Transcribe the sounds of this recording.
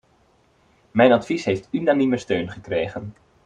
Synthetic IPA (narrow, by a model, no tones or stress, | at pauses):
mɛjnɑtfisɦejftynaniməstøɥnχəkrejχən